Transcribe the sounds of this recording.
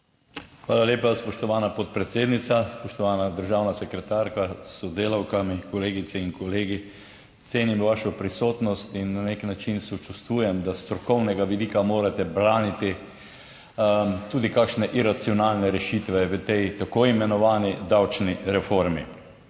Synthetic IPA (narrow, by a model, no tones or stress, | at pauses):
xʋaːlalʲjeːpaspɔʃt̪ɔʋaːnapɔt̪̚pɾɛt̪seːd̪nit̪saspɔʃt̪ɔʋaːnad̪əɾʒaːwnasɛkɾɛt̪aɾkasɔd̪eːlawkamikɔleːɡit̪sɛiŋkɔleːɡi | t̪seːnimʋaʃɔpɾisoːt̪nɔst̪inːaneknat͡ʃinsɔt͡ʃust̪ʋuːjɛmd̪ast̪ɾɔkɔwnɛɡaʋid̪iːkamoːɾat̪ɛbɾaːnit̪i | t̪uːd̪ikakʃnɛʔiɾat̪siɔnaːlnɛɾɛʃit̪ʋɛʋət̪ɛjt̪akoimɛnɔʋaːnid̪awt͡ʃniɾɛfoɾmḭ